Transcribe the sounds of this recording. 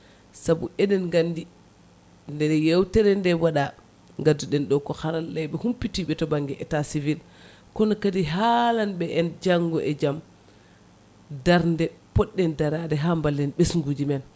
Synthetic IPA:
sabuʔɛɗɛnɡandi | ndɛɾɛjewtɛɾɛndɛwaɗa | ŋɡadːuɗɛnɗɔkɔhaɾanːɛjɓɛhumpitiɓɛtɔbaŋɡɛʔɛtasivil | kɔnɔkadiɦalanɓɛʔɛnd͡ʒaŋɡɔʔɛd͡ʒam | daɾndɛpɔɗːɛndaɾadɛɦambalːɛnɓesŋɡud͡ʒimɛn

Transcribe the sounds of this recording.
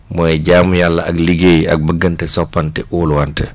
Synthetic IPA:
mɔɛɟaːmjalːɐʔɐkliɡejɐ̰k̚bəɡːəntɛsɔpːantɛʔuːluwantɛ

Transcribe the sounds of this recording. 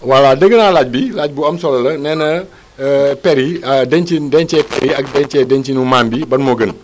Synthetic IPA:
waladəɡənalaɟ̚bilaɟ̚buɐmsɔlɐlənɛːnə | pɛɾidɛnt͡ʃindɛnt͡ʃɛpɛɾiɐkdɛɲt͡ʃɛdɛɲt͡ʃinumaːmbibɐnmoɡən

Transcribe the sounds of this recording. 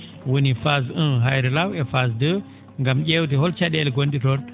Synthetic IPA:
wunifazɨnɦajɾilawefazdɨ | ŋɡamɟʲewt̬iholt͡ʃadelɡonɗitoɾ

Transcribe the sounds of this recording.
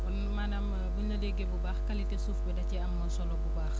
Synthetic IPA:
bɔnmaːnam | binɐdɛɡɛbubaːxkɐlitɛsuːfbɛdɐciɐmːɐsɔlɔbubaːx

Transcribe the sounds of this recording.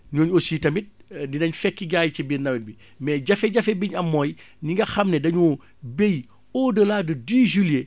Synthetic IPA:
ɲuːɲosiːtɐmit̚didɐɲfɛkːiɡaːjt͡ʃibiːrnɐwit̚bi | mɛːɟɐfɛɟɐfɛbiɲɐmːɔːj | niŋɡɐxɐmnɛdɐɲuː | bej | ɔːdəlaːdədiːʒulje

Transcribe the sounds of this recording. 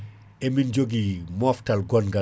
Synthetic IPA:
ɛmind͡ʒoɡimɔftɐlɡɔnɡa

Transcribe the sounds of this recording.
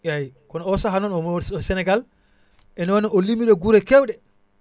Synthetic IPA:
jajkɔnɔɔsaɦanɔnɔmɔsɛnɛɡal | ʔɛnɔwaniɔlimiɗɔɡuɾɛkɛwɗɛ

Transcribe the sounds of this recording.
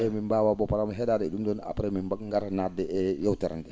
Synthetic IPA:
ɛmimbaːwabɔpaɾamɦɛdaːdɛɛdumdɔna̰pɾɛmimbakŋɡaɾnadɛɛjawtɛɾɛndɛ

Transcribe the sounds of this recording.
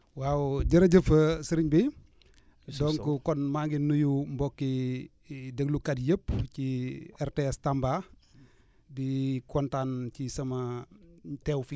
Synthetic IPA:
wawɟəɾɐɟəfəsiɾiɲbi | dɔŋkukɔnmaɡinːujumbɔkːi | dəɡlukadjəpt͡ʃiɛɾteɛstamba | bikɔntant͡ʃisɐmɐ | tewfi

